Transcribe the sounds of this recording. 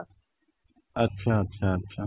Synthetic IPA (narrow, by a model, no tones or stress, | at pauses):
ɐtːʃʰaɐtːʃʰaɐtːɕʰa